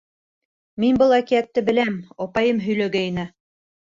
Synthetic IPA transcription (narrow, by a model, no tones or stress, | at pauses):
minbɤlˠækiæt̪ːɘbɘ̆læmɒpɑjɤmɦɵ̆jlæɡæinɘ